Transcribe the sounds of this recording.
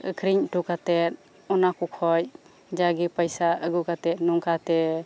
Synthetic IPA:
kʰɾiɲʈukat̪ɛt̪̚ | ɔnakukʰɔj | d͡ʒaɡipəjsaəɡukat̪ɛt̪̚nuŋkat̪ɛ

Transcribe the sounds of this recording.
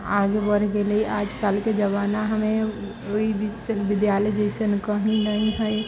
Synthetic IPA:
aːɡebəɾɡeleiʔaːd͡ʒkaːlked͡ʒəβaːnaɦəmẽ | oibsənʋɪd̪jaːləd͡ʒeʃənkəɦĩnəĩɦəe

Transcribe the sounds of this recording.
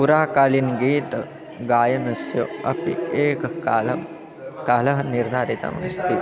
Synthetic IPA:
puɾaːkaːlinɡiːt̪ | ɡaːjɐnɐsjɐɐ̰pḭeːkːlɐ | kaːlɐɦɐniɾd̪ʱaːɾit̪ɐ̰mɐ̰nst̪i

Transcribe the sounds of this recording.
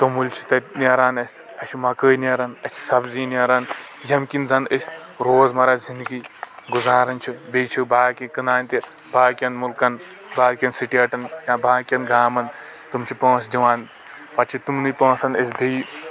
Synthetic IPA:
t̪omulʲt͡ʃʰi̥t̪ɐniɐɾaːnɐsʲ | ɐt͡ʃʰimɐkəːnɐɾɐnɐt͡ʃʰi̥sɐbziːnɐɾaːnjɐmkʲinzɐnəsʲ | ɾoːzmɐɾazind̪ɡiɡuzaːɾɐnt͡ʃʰibit͡ʃʰibaːkikɨnaːnt̪i | baːkʲɐnmulkɐn | baːlkʲɐnsiʈiɐʈɐnjãːbʱaːkʲɐnɡaːmɐn | t̪umt͡ʃʰipõːsd̪iʋaːn | pɐt͡ʃʰit̪umnɨpõːsɐnɐsʲbij

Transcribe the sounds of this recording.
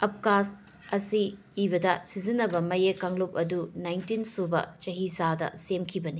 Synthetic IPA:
ɐp̚kas | ɐsiː | bɐdɐsizinːɐbɐmɐjekːaŋlup̚ɐdunajntinsubɐ̰t͡ʃɐɦisadɐ̰semkʰibɐni

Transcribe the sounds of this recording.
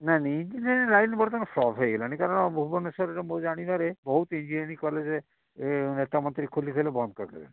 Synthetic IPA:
naniind͡ʒineɾĩlajnibɔɽet̪ɔnesɔbɦɔeɡɛlanikaɾɔɽ̃ɔbʱubɔnesɔɾeʈɔmõd͡ʒaɽ̃id̪aɾebɔɦut̪ind͡ʒineɽikɔled͡ʒe | net̪amɔnt̪ɾikʰolik̪ʰelebɔnd̪kɔkʰḛlḛ

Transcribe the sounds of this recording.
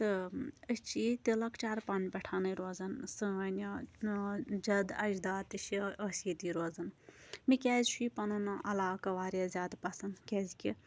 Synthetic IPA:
t̪ɨət͡ʃit̪ilɐkt͡ʃaːɾpɐnbɐʈʰaːnɐɾoːzɐnsɨɐnʲɐ | d͡ʒɐd̪ɐd͡ʒd̪aːt̪iʃiəsiːd̪iɾoːzɐnmikʲɛːzt͡ʃʰuipɐnɐnɐʔɐlaːkɐʋaːɾijazʲaːd̪pɐsɐnkʲɛːzkʲi

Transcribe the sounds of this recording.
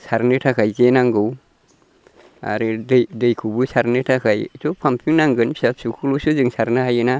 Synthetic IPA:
saɾnɯtʰakʰajkenaŋɡɯw | a̰ɾɯdɯjdɯjkʰubɯsaɾnɯtʰakʰajitʰɔpʰampʰiŋnaŋɡɯnʰi̥sap̚sukʰulusuzɯŋsaɾnahajɯna

